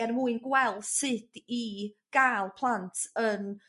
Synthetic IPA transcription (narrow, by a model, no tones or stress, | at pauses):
ɛnmuɨnɡwɛlˠθsɪd̥iɡ̥alˠpʰlˠantʰən